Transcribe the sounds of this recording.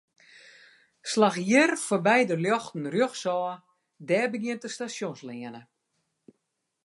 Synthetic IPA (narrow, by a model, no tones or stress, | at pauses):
slaxjɪrfɔbɛjdəljɔxtn̩rjøxsɔː | dɛːbəɡjɪəntəstasjonslɪənə